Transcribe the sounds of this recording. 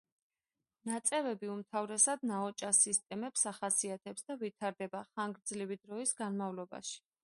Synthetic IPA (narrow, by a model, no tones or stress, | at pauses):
nat̪sʼɛvɛbiumt̪ʰavɾɛsad̪̚naɔt͡ʃʼasist̪ʼɛmɛpsaχasiat̪ʰɛpsd̪avit̪ʰaɾd̪ɛbaχaŋɡɾd̪zlivid̪ɾɔisɡanmavlɔba̰ʃi̥